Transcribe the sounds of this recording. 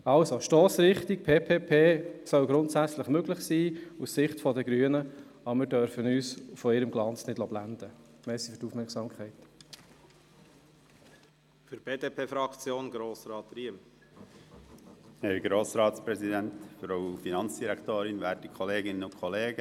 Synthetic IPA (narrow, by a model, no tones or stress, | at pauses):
ɑlsoʃtoːsɾɪχt̪ik̚pʰeːpʰeːpʰeːsœwɡɾʊntsæt͡sləχmøɡlɪχsiːussɪχtfɔd̪əɡɾyːənəɑmɪɾdœɾfənyːsfɔɪɾəmɡ̥lɑnt͡snɪd̥lɔb̥lænd̥̪ə | mɛsifyɾtufmɛɾksɑːmkʰχɛɪt | fyɾb̥eːd̪eːpʰeːfɾɑkt͡sjoːnɡɾoːsɾɑːt̪ɾiəm | hɛɾɡɾoːsɾɑːtspɾɛzidɛnt̪fɾaʊfinɑnt͡sd̥iɾɛktoːɾɪnvæːɾtikʰɔleːɡɪnənʊntkʰɔleːɡə